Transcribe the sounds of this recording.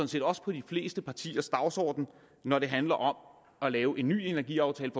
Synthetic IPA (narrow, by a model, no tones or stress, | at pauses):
nse̝̰ːd̥ɒ̽sə̥pʰɒ̽d̥ifle̝̰ːsd̥əpʰɑ̈t͡sʰḭːɐsd̥ɑ̈ʊsɒ̰ːd̥n̩ | nɒɾ̥e̝ɦænlɐʔɒ̽m | ɒlɛːʊʔe̝nːy̰ːe̝næɐɡḭːɑ̈ʊt͡sʰɛːləfɒ